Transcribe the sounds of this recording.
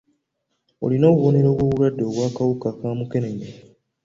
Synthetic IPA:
o̰lino̞ːβuβo̞ne̞ɾo̞ːβwo̞ːβuwadːe̞oβwaːkawukakaːmuke̞neɲe

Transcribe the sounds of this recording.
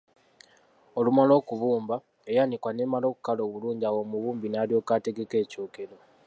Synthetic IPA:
o̞lumalo̞ːkuβuːmba | e̞janikwane̞ːmalo̞ːku̥kalo̞ːβuluːɲɟiawo̞muβuːmbinaljo̞ːkate̞ɡe̞ke̞ːco̞ːke̞ɾo̞

